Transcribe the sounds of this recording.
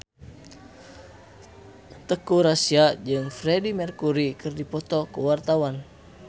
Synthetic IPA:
t̪əkuɾasiad͡ʒɨŋfɾɛdimɛrkuɾikɨrdipɔt̪ɔkuwart̪awan

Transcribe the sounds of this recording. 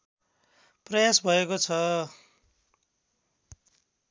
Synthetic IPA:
prʌjasbʱʌekot͡sʰʌ

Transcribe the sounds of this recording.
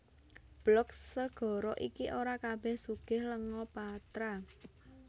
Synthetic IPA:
b̥lɔkssəɡ̥ɔ̤ɾɔʔikiʔoɾakab̥ɛhsuɡ̥ɪhləŋɔpat̪ɾa

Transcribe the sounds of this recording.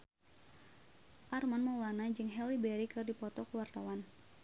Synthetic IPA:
ʔarmanmaulanad͡ʒɨŋɦɛlibɛɾikɨrdipɔt̪ɔkəwart̪awan

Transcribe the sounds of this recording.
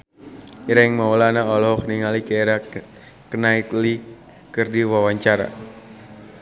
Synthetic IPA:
iɾaɪŋmawlanaɔlɔɦɔk̚niŋalikaeɾa | kənait̪li | kɨrdiwawaɲt͡ʃaɾa̰

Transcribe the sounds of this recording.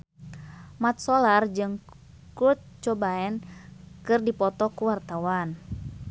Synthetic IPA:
mat̪̚sɔlard͡ʒɨŋ | kut̪̚t͡ʃɔbaɛnkɨrdipɔt̪ɔkuwart̪awan

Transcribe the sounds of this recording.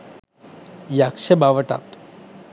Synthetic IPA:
jakʃebaʋəʈa̰t̪

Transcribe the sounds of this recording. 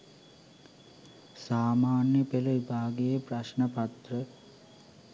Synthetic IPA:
saːmaːnjəpeluipaːɡejepraʃnəpat̪rə

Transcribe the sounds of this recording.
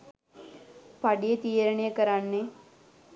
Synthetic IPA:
paɖijət̪ijəɾɐɳejəkəɾanːe

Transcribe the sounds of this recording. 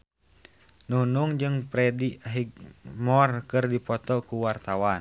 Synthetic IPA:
nunuŋd͡ʒɨŋpɾɛdiɦiɡ̚mɔrkɨrdipɔt̪ɔkuwart̪awan

